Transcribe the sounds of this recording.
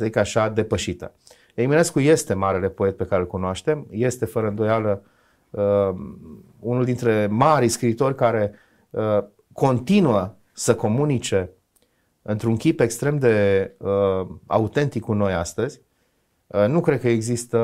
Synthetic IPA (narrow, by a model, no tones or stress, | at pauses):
səzikəaʃad̪e̞pəʃit̪ə̰ | eimineskuje̞st̪e̞maɾe̞le̞po̞et̪̚pe̞kaɾelkunoaʃt̪e̞mje̞st̪e̞fəɾəɨnd̪o̞jalə | unuld̪int̪ɾe̞maɾiskɾiːt̪o̞rʲkaɾe̞ | ə | ko̞nt̪inuə | səko̞munit͡ʃe̞ | ɨnt̪ɾuŋkʲipe̞kst̪ɾe̞md̪e̞əa̰ut̪e̞nt̪ikːuno̞jast̪əzʲ | nukɾe̞d̪̚kəeɡzist̪ə